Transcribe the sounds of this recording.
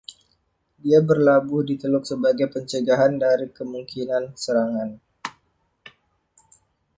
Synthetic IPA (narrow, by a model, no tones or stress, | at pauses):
diabərlabʊhdit̪əlʊk̚səbaɡajpəɲt͡ʃəɡaɦandaɾikəmuŋkʰinansəɾaŋan